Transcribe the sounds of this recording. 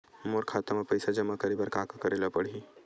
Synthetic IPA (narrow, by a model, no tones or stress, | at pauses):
moːɾkʰaːt̪amẽpɐjsad͡ʒɐmːakɐɾebəɾkaːkakɐɾeːlapɐɽ̤i